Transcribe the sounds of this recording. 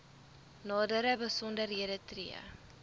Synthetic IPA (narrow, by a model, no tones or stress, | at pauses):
nɑːdəɾəbəsɔndərɦiədətriə̰